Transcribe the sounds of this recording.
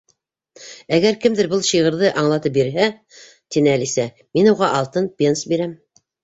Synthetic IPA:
æɡæɾkɘ̆md̪ɘɾbɤlˠɕiʁɤ̆ɾðɤʔɑɴlˠɑt̪ɤp̚biɾɦæ | t̪inɘælisæ | minuʁɑʔɑlˠt̪ɤnpʲensbiɾæm

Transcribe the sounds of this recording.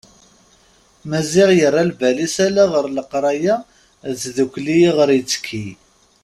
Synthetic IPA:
mæzɪʁjərˤːalvælisælaʁəɾləqɾˤɑja | zðukʷlijʁəɾjət͡sːkʰːi

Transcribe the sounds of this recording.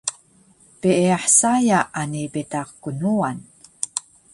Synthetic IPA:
piʔiaħsajaʔanipitaqkunuan

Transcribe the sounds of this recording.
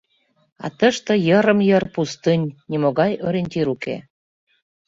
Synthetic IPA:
ɑ̰t̪əʃt̪ɤ̆jəɾə̆mjɤrpust̪ɨnʲnʲimoɣɑjøɾenʲt̪ʲiɾukḛ

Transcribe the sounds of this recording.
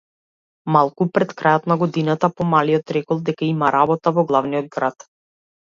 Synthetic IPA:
malˠkupɾɛt̪kɾajɔt̪naɡɔd̪inat̪apɔmaliɔt̪ɾɛkɔlˠd̪ɛkaimaɾabɔt̪avɔɡlˠavnijɔd̪̚ɡɾat̪

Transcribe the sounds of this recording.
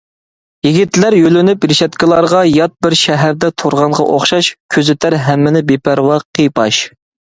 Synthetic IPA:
jiɡʲit̪læɾjølɪnypɾɪʃɛt̪kʲilˠɑɾʁɑjɑt̪̚bɪɾʃæɦæɾd̪ɛt̪ʰoɾʁɑɴʁɑ̰ʔo̰χʃɑʃkʲʰøzɪt̪ʰæɾɦæmːɪnɪbepʰæɾwɑqʰijpʰɑʃ

